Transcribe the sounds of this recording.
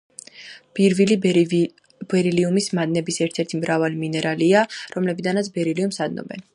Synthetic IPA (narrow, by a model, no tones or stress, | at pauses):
b̥iɾvili | b̥ɛɾiliumismad̪nɛbisɛɾt̪ʰɛɾt̪ʰimɾavaliminɛɾʔaliaɾɔmlɛbid̪anat̪sʰbɛɾiliumsad̪̚nɔ̰bɛ̰n